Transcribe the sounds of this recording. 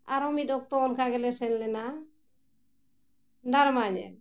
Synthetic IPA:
a̰ɾɔmidɔk̚tɔɔnkaɡɛlɛsɛnlɛna | ndaɾmaɲɛ̰n

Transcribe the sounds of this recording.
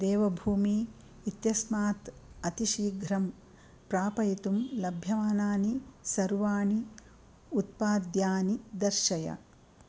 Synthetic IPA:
d̪eːʋɐbʱuːmiː | t̪jɐsmaːt̪ɐt̪iʃiːɡʱɾɐm | pɾaːpɐjit̪umlɐbʱjɐʋaːnaːnisɐɾʋaːni | ut̪̚paːd̪jaːnid̪ɐɾʃɐjɐ̰

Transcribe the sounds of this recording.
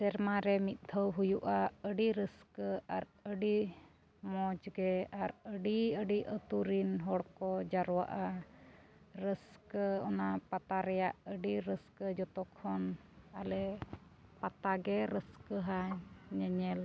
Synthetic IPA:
sɛɾmaɾɛmit̪̚ˀd̪ʱʰəwɦujuʔaəɖiɾəskəaɾəɖi | mɔd͡ʒɡɛaɾəɖiəɖiʔət̪uɾinɦɔɽkɔd͡ʒaɾwa̰ʔa | ɾəskəɔnapat̪aɾɛjaʔəɖiɾəskəd͡ʒɔt̪ɔkʰɔnalɛ | pat̪aɡɛɾəskəɦaɲəɲɛl

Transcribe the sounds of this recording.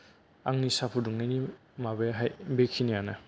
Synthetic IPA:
a̰ŋnisapʰuduŋnajni | mabeɦajbekʰinijana

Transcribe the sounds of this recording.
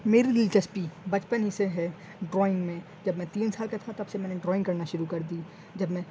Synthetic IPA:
meːɾilɪlt͡ʃɐspibɐt͡ʃpənɦɪseɦɛ | ɖɾɔːɪ̃ŋɡmẽ | d͡ʒɐbmɛ̃t̪iːnsaːlket̪ʰãt̪ɐbsemɛ̃ːneɖɾɔːɪ̃ŋɡkɐɾnaʃʊɾukɐɾd̪iː | d͡ʒɐbmɛ̃

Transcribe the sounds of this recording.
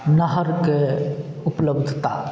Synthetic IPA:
nəɦəɾkeʊpləbd̪ʱt̪a̰

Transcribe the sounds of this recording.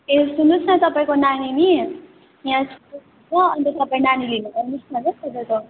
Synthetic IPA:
esunusʰnʌt̪ʌpaĩkonanini | jãsʰuu | t͡sʰʌʌnt̪ʌt̪ʌpaĩnanilinupʌɾnusnʌnʌsʌbʌt̪o

